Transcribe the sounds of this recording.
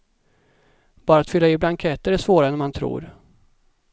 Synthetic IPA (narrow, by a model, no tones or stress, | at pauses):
b̥ɑːɾat̪fʏlːaɪblaŋkʰɛt̪əɾæʂvoːɾaɛnɛmant̪ʰɾṵːɾ